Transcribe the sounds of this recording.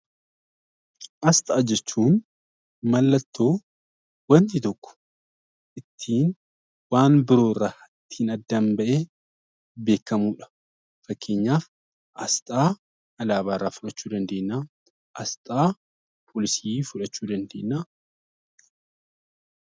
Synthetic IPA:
ʔɐst̪ʼaːd͡ʒɛt͡ʃːuːn | mɐlːɐt̪ːo̞ː | wɐnt̪ɪt̪ɔkːʊ̥ | ʔɪt̪ʰːiːn | waːnbɪɾo̞ːrːaː | ɪt̪ʰːiːnɐd̪ːɐmbɐʔeː | be̞ːkːɐmuːᶑɐ̥ | fɐkːe̞ːɲːaːf | ʔɐst̪ʼaː | ɐlaːβaːrːaːfʊᶑɐt͡ʃːuːd̪ɐnd̪e̞ːnːaː | ʔɐst̪ʼaː | pʰoːlɪsiːfʊᶑɐt͡ʃːuːd̪ɐnd̪e̞̰ːnːaː

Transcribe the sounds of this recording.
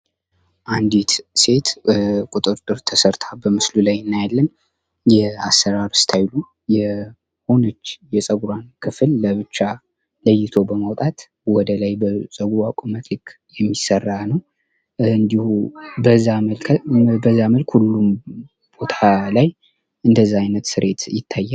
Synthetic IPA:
ʔand̪it̪se̞t̪kʼut̪ʼɨɾt̪ʼɨɾt̪ʰəsəɾt̪ʰabəmɨslulajɨnːajalːən | jɛasːəɾaɾɨst̪ʰajlu | jɛ | ho̞nət͡ʃːjɛsʼəɡuɾankʰɨflːəβɨt͡ʃːa | ləjːɪt̪ʰo̞bəmawt̪ʼat̪ | wɔd̪əlajbəsʼəɡɾakʼumət̪ʰɨkʰ | jɛmːisːərːanəw | ɨnd̪ihubəzːaməlkʰbəzːaməlkhulːum | b̥o̞t̪ʰalaj | ɨnd̪əzːaajnət̪sɨɾʔe̞t̪jɪt̪ʰːajːa

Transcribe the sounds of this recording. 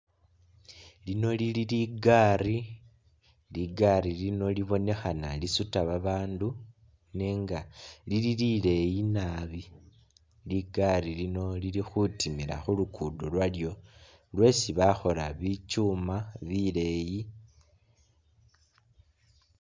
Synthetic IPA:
lino̞lililiɡari | liɡaɾilino̞liβo̞ne̞xanalisutaβaβaːndu | neːŋɡalililile̞jinaβi | liɡarilino̞lilixutimiɾa̰xulukʰuːdolwaljo̞ | lwe̞siβaxo̞laβit͡ʃuːmaβile̞ji

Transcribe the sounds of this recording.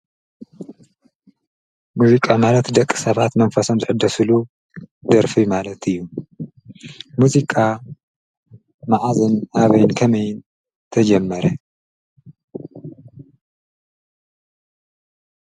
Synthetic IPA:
muzikʼamalɐt̪d̪ɐkʼːɨ̥sɐβat̪mɐnfɐso̞mzɨħɨd̪ːɐsɨlu | d̪ɐɾfijumalɐt̪ʰɨjːu | muzikʼa | maʕazɨnaβɐjnkʰɐmɐjɪn | t̪ʰɐd͡ʒɐmːɐɾɐ

